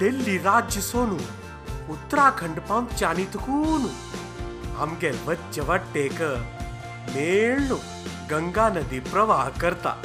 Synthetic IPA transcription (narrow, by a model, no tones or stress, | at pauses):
d̪elːiɾaːd͡ʒjəsoːnu | ʊt̪ːɾaːkʰɐɳɖpãmpt͡ʃaːnit̪kuːnu | a̰mɡeʋɐtt͡ʃɐʋaʈːeːkə | meːɭnu | ɡɐŋɡaːnɐd̪ipɾɐʋaːɦkɐɾt̪a̰ː